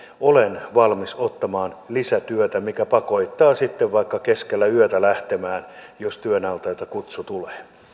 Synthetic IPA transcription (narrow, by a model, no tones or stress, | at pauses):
olenʋɑlmisot̪ːɑmɑːnlisæt̪yøt̪æmikæpɑkoit̪ːɑːsit̪ːeʋʋɑikːɑkeskelːæyøt̪ælæht̪emæːnjost̪yønɑlt̪ɑjt̪ɑkut̪sut̪uleː